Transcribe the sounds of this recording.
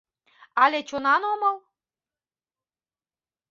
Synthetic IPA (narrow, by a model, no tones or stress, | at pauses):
ɑlʲet͡ɕonɑnoməlˠ